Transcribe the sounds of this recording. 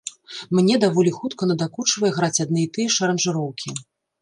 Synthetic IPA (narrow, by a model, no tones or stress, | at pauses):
mnʲɛd̪avɔlʲixut̪kɐnɐd̪akut͡ʂvɐjɛɣɾat͡sʲad̪nɨjit̪ɨjɛʂɐɾɐnʐɨɾɔwkʲi